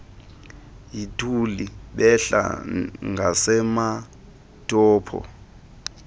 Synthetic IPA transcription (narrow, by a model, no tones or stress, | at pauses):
jitʰuliɓɛɬa̰ŋɡʱasɛma | tʼɔːpʰɔ̰